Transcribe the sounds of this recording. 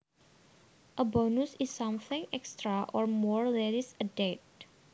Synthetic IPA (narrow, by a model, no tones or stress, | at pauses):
ʔəbɔnusisːʌ̃mθɪ̃ŋɛkstɹaʔɔɹmɔɹlɛɾisədet̚